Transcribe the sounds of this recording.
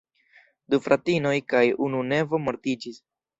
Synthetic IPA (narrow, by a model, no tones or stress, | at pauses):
d̪ufɾʔatino̞jkajunune̞vo̞moɾtid͡ʒis